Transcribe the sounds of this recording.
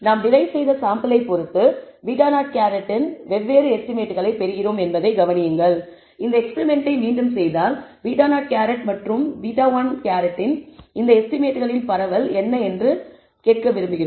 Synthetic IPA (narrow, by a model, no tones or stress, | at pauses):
naːmnɪlɐɪsɛjðɐsaːmbɐlɐɪpːɔɾɯt̪ːɯ | ʋiːʈaːnaːʈ̚kaːɾɐʈːɪnʋɛʋːeːɾɯɛsʈɪmeːʈːɯɣɐɭɐɪpɛɾɯɣɪroːmɛnbɐðɐɪɡɐʋɐnɪjɯŋɡɐɭ | ɪnd̪ɐɛkspɛɾɪmɛɳʈɐɪmiːnɖɯmsɛjðaːlʋiːʈaːnaːʈ̚kaːɾɐʈmɐʈrɯmʋiːʈaːʋaːnkaːɾɐʈːɪnɪnd̪ɐɛsʈɪmeːʈːɯɣɐɭɪnpɐɾɐʋɐlɛnːɐɛndrɯ | keːʈ̚kɐʋɪɾɯmbɯɣɪɾo